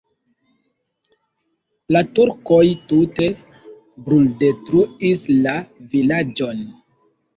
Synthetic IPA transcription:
latuɾko̞jtute̞ | bɾulde̞tɾuislavilad͡ʒo̞n

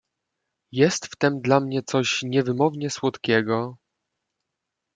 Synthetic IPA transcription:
jɛst̪ft̪ɛmd̪lamɲɛt̪sɔɕɲɛvɘmɔvɲɛswɔt̪kʲɛɡɔ

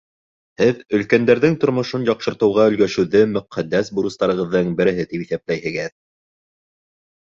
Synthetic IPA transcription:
hɘðɵ̆lkænd̪æɾðɘŋt̪ŏɾmŏʃonjɑqʃɤ̆ɾt̪ɤ̆wʁɑɵ̆lɡæʃɘ̆wðɘmɵ̆qʰæd̪ːæsbuɾɤ̆st̪ɑɾɤ̆ʁɤ̆ðːɤɴbɘ̆ɾɘ̆ɦɘt̪ipiθæp̚læjɦɘ̆ɡɘð

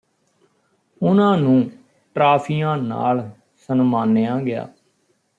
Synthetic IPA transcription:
ʊnãːnũː | ʈɾaːpʰijãːna̰ːl | sənmaːnːejãːɡɪja̰ː

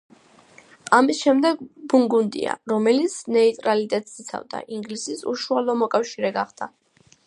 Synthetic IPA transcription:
amisʃɛmd̪ɛɡbuŋɡund̪ḭa̰ɾɔmɛlit̪sʰnɛit̪ʼɾalit̪ʼɛt̪ʼsit̪sʰa̰vd̪a̰ʔiŋɡlisisṵʃualˠɔmɔkʼafʃiɾɛɡaχd̪a

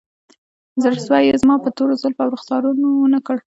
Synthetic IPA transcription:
zəɾswɑjezmɑpət̪oɾozalfawɾʊxt̪ɑɾunowənakəɽ

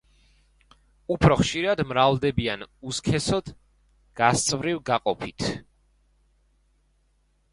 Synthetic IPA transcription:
upʰɾɔχʃiɾad̪mɾavd̪ɛbianuskʰɛsɔd̪̥ | ɡ̥ast̪sʼvɾivɡaqʼɔpʰit̪ʰ

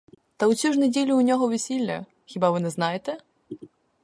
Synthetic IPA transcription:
t̪ɐwsʲuʐnɛdʲelʲuːnʲɔɣɔvʲɛsʲilʲːɐ̰ | xʲibavɨnɛznajɛt̪ɛ

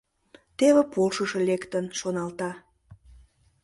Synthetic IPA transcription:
t̪eβepolʃəʃelekt̪ənʃonɑlt̪ɑ

